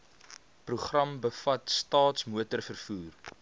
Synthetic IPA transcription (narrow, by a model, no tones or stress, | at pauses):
pruχrɐmbəfɐtstɑːtsmuətərfərfuːr